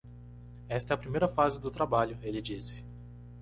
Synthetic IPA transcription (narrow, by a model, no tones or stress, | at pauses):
ɛst̪ɛɐpɾimejɾɐfazɪd̪ʊt̪ɾabaʎʊelɪd͡ʒisɪ̥